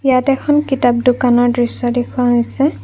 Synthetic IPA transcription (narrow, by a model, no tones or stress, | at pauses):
ijatɛkʰɔnkitap̚dukanɔɹdɹisːɔdekʰʊwaɦojsɛ